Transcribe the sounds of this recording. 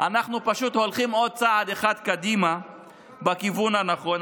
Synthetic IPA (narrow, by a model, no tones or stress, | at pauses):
ʔanaχnupaʃut̪ho̞lχimo̞d̪̚t͡saad̪eχad̪kad̪ima | bakivunhanaχo̞n